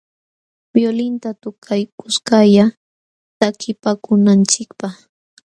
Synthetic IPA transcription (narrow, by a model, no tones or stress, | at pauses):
b̥jolɪnt̪at̪ʊkʰajkʊskaja | t̪akʰɪpakʊnant͡ʃɪkpɑχ